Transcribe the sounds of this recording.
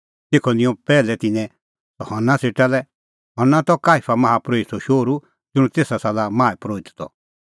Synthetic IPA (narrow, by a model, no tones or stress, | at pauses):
t̪eːkʰɔnɪ̃jɔ̃pɛːlɛt̪ɪ̃nɛ̃ | t̪ɔhɔnːaseʈalɛ | ɦɔɾnat̪ɔkaːipʰamɐɦapɾoisɔʃoːɾu | d͡zʊ̃ũt̪eːsasalamãːɛpɾoːit̪t̪ɔ̰